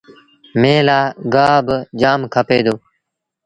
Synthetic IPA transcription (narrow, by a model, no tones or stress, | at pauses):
mẽːlaːɡaːbd͡ʒaːmkʰəpeːd̪oː